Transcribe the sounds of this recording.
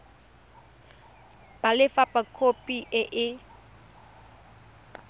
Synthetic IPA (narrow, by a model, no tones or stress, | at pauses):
b̥alɪfapakʰopʼiʔɪʔɪ